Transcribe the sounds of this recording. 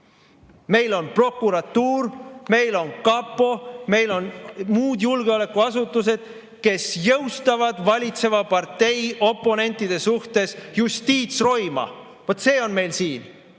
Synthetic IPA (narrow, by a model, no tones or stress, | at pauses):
me̞jlo̞npro̞kːˑuɾɑt̪ːuːrme̞jlo̞nkɑpːˑo̞me̞jlo̞nmuːd̪julɡeo̞le̞kːuɑsut̪ːˑus̬e̞d̪̥ | ke̞sjɤwst̪ɑvɑd̪̥vɑlʲit̪se̞vɑpɑrt̪e̞jo̞pːˑo̞ne̞nʲt̪ːˑid̪̥e̞suht̪e̞sjust̪iːt̪sro̞jmɑ̰ | vo̞t̪se̞ːo̞nme̞jlsiːn